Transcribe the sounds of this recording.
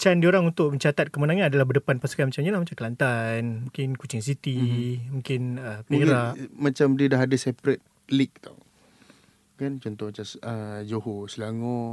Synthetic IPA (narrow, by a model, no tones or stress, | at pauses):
t͡ʃandioɾaŋunt̪ʊʔməɲt͡ʃat̪at̪̚kəmənaŋanadalahbərdəpanpaskanmat͡ʃamɲalahmat͡ʃamkəlant̪anmũŋkɪnkut͡ʃɪŋs̬it̪imũŋkɪnəpiɾaʔmat͡ʃamdiədaɦadasɛpɾɛt̪̚ | lik̚t̪o̰ | kant͡ʃɔnt̪ɔmat͡ʃasəd͡ʒohoslaŋɔ